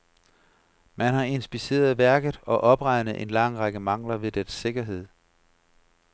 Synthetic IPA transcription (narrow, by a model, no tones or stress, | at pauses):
mænhɑ̈e̝nsb̥ise̝̰ːɐð̞ˠʋæɐɡ̥ð̩ˠɒ̽ʔɒ̽b̥ʁɑ̈ɪnð̩ˠʔe̝nlɑ̈ŋ̰ʁɑɡ̥əmɑ̈ŋ̰lɐʋe̝d̥ense̝ɡ̥ɐɦe̝ð̰ˠ